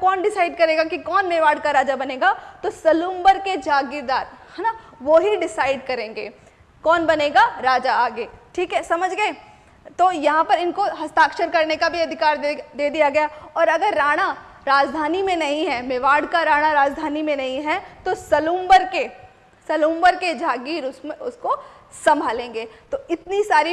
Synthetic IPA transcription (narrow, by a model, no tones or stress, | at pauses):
kɔːnɖɪsaːɪɖkɐɾeːɡakikɔːnmeːʋaːɖkaɾaːd͡ʒabɐnẽːɡat̪osɐlũːmbəɾked͡ʒaːɡɪd̪aːɾhaːnaʋoɦiɖɪsaːɪɖkɐɾẽːŋɡḛː | kɔːnbɐneːɡaɾaːd͡ʒaaːɡeːʈʰiːkɦɛsɐməd͡ʒʱɡeː | t̪ojɐɦãpɐɾɪnkoɦɐst̪aːkʃəɾkɐɾnekabʱiɐd̪ʱɪkaːɾd̪eːd̪ijaɡɐjaɔːɾɐɡəɾːaːɽ̃a | ɾaːd͡ʒd̪ʱaːnimẽnɐɦĩɦɛmeʋaːɽkaɾaːɽ̃aɾaːd͡ʒd̪ʱaːnimẽnɐɦĩɦɛt̪osɐlũːmbəɾke | sɐlũːmbəɾked͡ʒʱaːɡiːɾʊsmeʊskosɐ̃mbʱaːlẽːŋɡeːt̪oɪt̪nisaːɾi